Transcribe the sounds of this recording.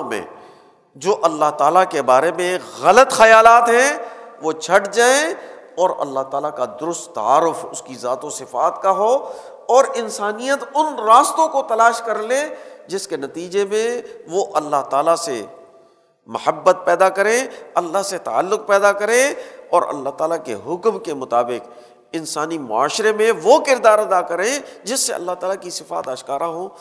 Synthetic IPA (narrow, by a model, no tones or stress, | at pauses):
mḛ̃ | d͡ʒoːʔɐlːaɦt̪aːlakebaːɾemẽɣɐlət̪xɐjaːlaːt̪ɦɛ̃ʋot͡ʃʰɐʈd͡ʒaːẽ | ɔːɾɐ̰lːaɦt̪aːlakad̪ʊɾʊst̪ːɐ̰a̰ːɾʊfʊskizaːt̪osɪfaːt̪kaɦo | ɔːɾɪnsaːnijət̪ʊnɾaːst̪õkot̪ɐlaːʃkɐɾled͡ʒɪskenɐt̪iːd͡ʒemẽʋoʔɐlːaɦt̪aːlase | mɐhəbːət̪̚pɛːd̪akɐɾẽɐlːaɦset̪a̰a̰ːlːʊq̚pɛːd̪akɐɾẽɔːɾɐ̰lːaɦt̪aːlakḛɦʊkmkemʊt̪aːbɪq | ɪ̃nsaːnimʊ̰a̰ːʃɾemẽʋokɪɾd̪aːɾɐd̪akɐɾẽd͡ʒɪsːeɐ̰lːaɦt̪aːlakisɪfa̰ːt̪aːʃkaːɾaɦõː